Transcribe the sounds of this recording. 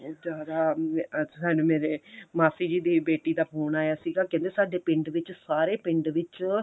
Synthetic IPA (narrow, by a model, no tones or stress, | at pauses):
d͡ʒaːd̪aː | saːnũːmeːɾeːmaːsiːd͡ʒiːd̪iːbeːʈiːd̪aːpʰoːnaːjaːsiːɡaːkɛ̃ːnd̪eːsaːɖeːpɪɳɖʋɪt͡ʃsaːɾeːpɪ̃ɳɖʋɪt͡ʃ